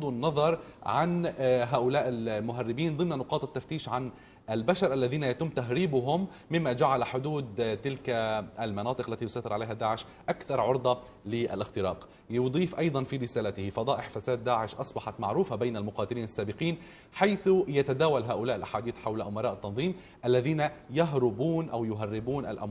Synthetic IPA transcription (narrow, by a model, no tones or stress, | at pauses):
d̪ˤunːɑðˤɑɾˤʕanɦaːʔʊlaːʔɪlmʊɦarːɪbiːnðˤɨmnanʊqɑːt̪ˤɪt̪ːaft̪iːʃʕan | albaʃɑɾˤʔalːaðiːnajat̪ɪmːt̪aɦɾiːbʊɦʊmː | ɪmːad͡ʒaʕalaħʊd̪uːd̪t̪ɪlkaalmɑnɑːt̪ˤɨqʔlːat̪ijʊsɑjt̪ɪɾʕalejɦad̪aːʕɪʃ | ʔakθɑɾˤʕʊɾd̪ˤɑ | lɪʔa̰lʔɪxt̪ɪɾɑ̰ːq | jʊd̪ˤiːfʔɑjd̪ˤɑnfiːɾɪsaːlat̪ɪhɪfɑd̪ˤɑːʔɪħfasaːd̪ːaːʕɪʃʔɑsˤbɑħɑt̪maʕɾuːfabejnalmʊqɑːt̪ɪliːnasːaːbɪqiːn | ħajθjat̪ad̪aːwalɦaːʔʊlaːʔɪlʔaħaːd̪iːθħawlaʔʊmɑɾˤɑːʔɪt̪ːɑnðˤiːm | ʔalːaðiːnajaɦɾʊbuːnʔawjʊɦarːɪbuːnʔa̰lʔa̰mː